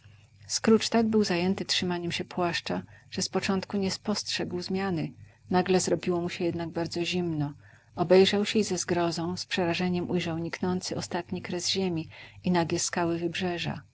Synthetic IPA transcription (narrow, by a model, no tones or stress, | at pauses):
skɾut͡ʂt̪aɡ̚bɘwzajɛnt̪ɘtʂɘmaɲɛmɕɛpwaʂt͡ʂaʐ̥ɛspɔt͡ʂɔnt̪kuɲɛspɔstʂɛɡwzmʲjanɘ | naɡlɛzɾɔbʲiwɔmuɕɛjɛd̪naɡ̚baɾd̪zɔʑimnɔ | ɔbɛjʐawɕɛizɛzɡɾɔzɔ̃w̃spʂɛɾaʐɛɲɛmʔujʐawɲiknɔnt̪sɘɔst̪at̪ɲikɾɛzʑemʲiinaɡʲɛskawɘvɘbʐɛʐa̰